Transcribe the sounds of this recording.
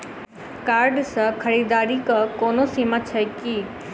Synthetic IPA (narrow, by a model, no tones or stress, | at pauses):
kaːɾɖsəkʰɐɾiːd̪aːɾikəkoːnosiːmət͡ʃʰɐkiː